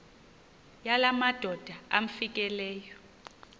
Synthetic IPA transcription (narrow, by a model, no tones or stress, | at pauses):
jalamad̥ʱɔd̥ʱaam̩fik̬ʼɛlɛːjɔ